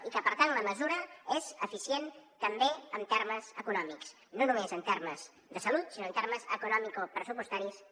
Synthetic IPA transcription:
ikəpəɾt̪anləməzuɾəezəfisjent̪əmbeənt̪eɾməzəkunɔmiks | nonumezənt̪eɾməz | ðəsəlut̪sinoənt̪erməzə̰kunɔmikopɾəsupust̪aɾis

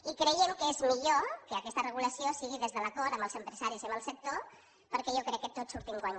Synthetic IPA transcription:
ikɾejemkəezmiʎokəːkɛst̪ərəɣuləsiosiɣ̞iðezðələkoɾəmbəlˠzəmpɾəzaɾiziəmbəlˠsək̚t̪o | pəɾkɛjokɾɛkːət̪ot͡ssːuɾt̪iŋɡwaɲ

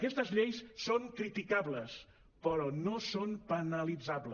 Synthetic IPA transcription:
kɛst̪əzʎejsːoŋkɾit̪ikaβləs | pəɾɔnosonpənəlid͡zaβlə

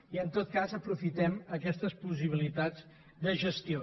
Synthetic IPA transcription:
iənt̪ot̪̚kazəpɾufit̪ɛməkɛst̪əspus̬iβ̞ilit̪ad͡z | d̪əʒəst̪io

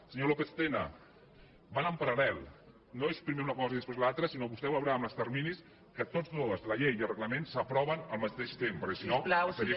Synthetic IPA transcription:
səɲolokest̪enə̰ | banəmpəɾɐlɛlˠ | noespɾimeunəkɔzəiðəspɾezlalˠt̪ɾəsinoβust̪ɛwləwɾaːməst̪əɾminis | kət̪ozðoəzləʎejiəlˠrəɣləmẽnsəpɾɔβənəlˠmət̪eʃt̪empəɾkɛsinosəɾi

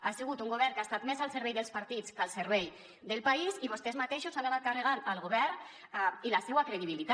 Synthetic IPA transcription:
asiɣ̞ut̪uŋɡoβɛɾkast̪at̪mezalˠseɾβɛjðəlˠspaɾt̪it͡skalˠseɾβɛj | d̪elpaisiβost̪ezmat̪eʃosalaβat̪̚kareɣ̞analɣoβɛɾ | ilasewakɾeðiβ̞ilit̪a

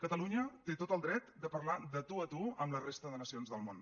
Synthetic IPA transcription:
kət̪əluɲət̪et̪ot̪əlˠd̪ɾɛt̪̚d̪əpəɾlaðət̪uət̪uəmlərest̪əðənəsionzðəlˠmon

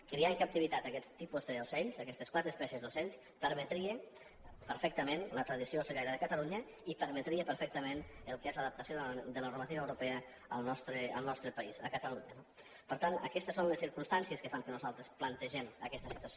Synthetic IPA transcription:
kɾiaŋkap̚t̪iβit̪at̪akɛst̪ipuzðəusɛʎsakɛst̪eskwat̪ɾespɛsəzd̪osɛʎs | pəɾmət̪ɾie | pəɾfɛk̚t̪əmenlət̪ɾəðisiousəʎaɾəðəkat̪aluɲə | ipəɾmət̪ɾiepəɾfɛk̚t̪əmẽnəlˠkɛzləaðəp̚t̪əsioðd̪ələnuɾmat̪iβəwɾupɛə | əlˠnɔst̪ɾeə̰lˠnɔst̪ɾəpaisəkət̪aluɲəno | pəɾt̪anə̰kɛst̪əsonləsːiɾkumst̪ansiəskəfaŋkənuzalˠt̪ɾesplənt̪əʒɛmə̰kɛst̪əsit̪uɐso

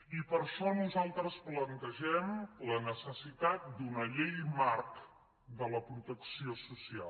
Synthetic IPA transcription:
ipəɾʃɔnuzalˠt̪ɾəsplənt̪əʒɛmlənəsəsit̪at̪̚d̪unəʎejmaɾk | d̪ələpɾut̪əksiosusia̰

